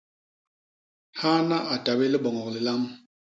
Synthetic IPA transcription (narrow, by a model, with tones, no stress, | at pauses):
ha˦na˦ʔa˨ta˨be˦lə˦bɔ˨ŋɔ˨klə˨la˦m